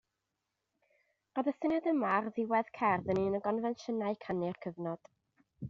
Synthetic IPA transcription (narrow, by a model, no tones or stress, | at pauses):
rɔðəθɪnɛdəmarðɪwɛð̥kʰɛrðəninəɡɔnvɛnʃənaɨkʰanɪrkʰəvnɔd̥